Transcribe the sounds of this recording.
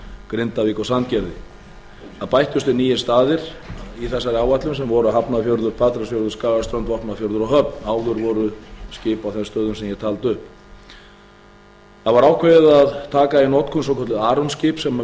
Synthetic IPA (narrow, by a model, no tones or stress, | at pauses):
kɾɪnt̪aviːkawsant̪cɛɾðɪ | θaðpajht̪jʏst̪ʏniːjɪst̪aːðɪɾ̥ | iθɛsːaɾɪawvat̪lʏmsɛmvɔɾʏɦapnafjowɾðʏɾ̥pʰaːt̪ɾasfjowɾðʏɾskaːɣast̪ɾœnt̪vɔhpnaðfjɔwɾðʏɾɔɦœpnaːwðʏɾvɔɾʏscɪːpawθɛmst̪œːðʏmsɛmjɛ̥t̪ʰaːlt̪ʏhp | θaðvaɾaːwkʰvɛɪðaðt̪ʰaːkainɔt̪kʰɔnsɔwkʰɔt̪lɪðaːɾɔnscɪːpsɛm